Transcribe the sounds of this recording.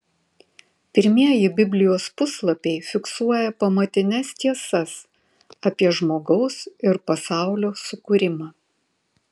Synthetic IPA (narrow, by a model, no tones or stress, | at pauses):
pʲɪɾʲmʲiɛjɪbʲɪbʲlʲɪjoːspʊslˠɐpʲɛɪfʲɪksuɔjɛpɐmɐt̪ʲɪnʲɛst̪ʲiɛsɐs | ɐpʲiɛʒmoːɡɒʊsɪɾpɐsɑˑʊlʲoːsʊkʊɾʲɪmɑː